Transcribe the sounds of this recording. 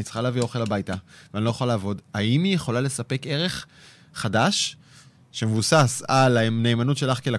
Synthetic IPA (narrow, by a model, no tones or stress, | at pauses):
it͡sχaleavio̞χe̞labajtaveanilo̞jeχolalaːvo̞daimijeχo̞lale̞sape̞ke̞ʁe̞χː | adaʃ | ʃe̞mevusasalane̞ːmanut̪ʃe̞laχkela